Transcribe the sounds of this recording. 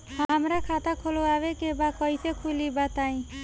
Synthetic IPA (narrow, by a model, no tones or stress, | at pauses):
ɦamɾakʰat̪akʰoloaʋekebakɔisekʰulibat̪aĩ